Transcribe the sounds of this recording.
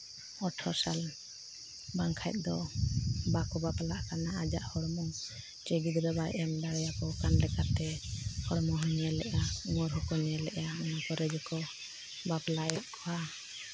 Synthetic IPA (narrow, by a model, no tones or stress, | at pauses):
ɔʈʰɔsal | baŋkʰajt̪̚ˀd̪ɔ | bakɔbaplaʔkanaad͡ʒaʔhɔɽmɔŋ | t͡ʃɛɡid̪d̪ɔbajʔɛmdaɾjakɔkanlɛkat̪ɛhɔɽmɔɦɔɲɛlɛʔaŋɔɾɦɔkɔɲɛlɛʔaɔnakɔɾɛd͡ʒɔkɔ | baplaɛt̪̚kʰɔha